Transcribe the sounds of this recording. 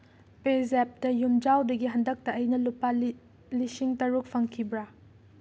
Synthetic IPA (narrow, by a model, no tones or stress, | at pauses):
pezep̚dɐjumd͡ʒawdɐɡiɦɐndɐk̚tɐːjnɐlupa | lisiŋtɐɾuk̚pʰɐŋkʰibɾa